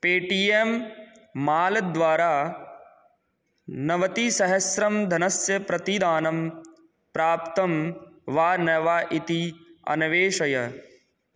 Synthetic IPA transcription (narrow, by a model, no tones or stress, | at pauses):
peːʈiemː | aːld̪ʋaːɾaː | nɐʋɐt̪isɐɦɐsɾɐmd̪ʱɐnɐsjɐpɾɐt̪id̪aːnɐm | pɾaːpt̪ɐmʋaːnɐʋaːʔit̪iɐ̰nɐʋeːʃɐjɐ